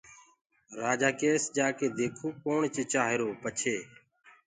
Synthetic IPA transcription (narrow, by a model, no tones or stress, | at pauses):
ɾaːd͡ʒaːkeːsd͡ʒaːkeːd̪eːkʰoːkoːɳt͡ʃeːt͡ʃaːɦeɾoːpət͡ʃʰeː